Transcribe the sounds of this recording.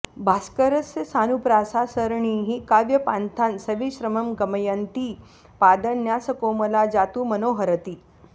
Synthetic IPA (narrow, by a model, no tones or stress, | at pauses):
bʱaskəɾəsjɐsaːnupɾaːsasəɾɳiɦikaʋjɐpant̪ʰansɐʋiɕɾəməmɡəməjənt̪iː | paːd̪ənjasəkoːmɐlad͡ʒat̪uːmənoːɦəɾət̪iː